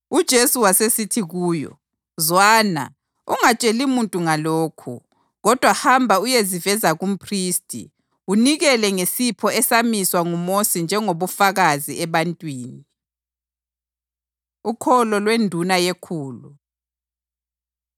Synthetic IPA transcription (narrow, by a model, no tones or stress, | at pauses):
ud̥ʒ̥ʱesuwasesitʰiɣuːjɔ̰ | zwaːna̰ | uŋat͡ʃʼelimuntʼuŋaloːkʰṵ | ɣɔd̥ʱwahambʱaujezivɛzaɣum̩pʰriːstʼḭ | uniɣɛlɛŋesipʰɔɛsamiswaŋumosind͡ʒʱɛŋoβufaɣaziɛβantʼwiːni | ukʰɔlɔlwendʱunajekʰuːlu